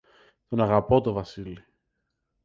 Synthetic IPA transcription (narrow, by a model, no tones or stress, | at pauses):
t̪o̞nɐɣɐpo̞t̪o̞vɐsili